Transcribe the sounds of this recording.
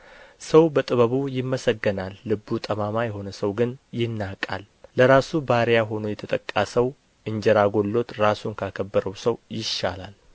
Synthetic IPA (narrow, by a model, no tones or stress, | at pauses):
səwbət̪ʼɨβəβujɪmːəsəɡːənalːɨbut̪ʼəmamajɛho̞nəsəwɡɨnjɪnːakʼa̰lː | əɾasubaɾjaɦo̞nojɛt̪ʰət̪ʼəkʼːasəw | ɨɲd͡ʒɛɾaɡo̞lːo̞t̪ɾasunkʰəakʰəbːəɾəwsəwjɪʃːa̰lal